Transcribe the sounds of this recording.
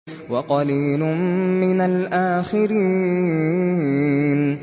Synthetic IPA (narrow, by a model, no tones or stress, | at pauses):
wɑqɑliːlʊmmɪnalʔaːxɪɾiː | n